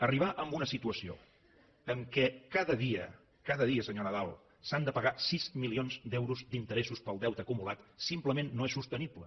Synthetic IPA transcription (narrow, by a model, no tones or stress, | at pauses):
əriβ̞aʔəmbunəsit̪uəsio̰ | əŋkɛkaðəðiə̰ | kaðəðiəsəɲonəðalˠ | sand̪əpəɣasizmilionzd̪ɛwɾuzd̪int̪əɾɛsuspəlˠd̪ɛwt̪əːkumulat̪simpləmenːoesust̪əniplə̰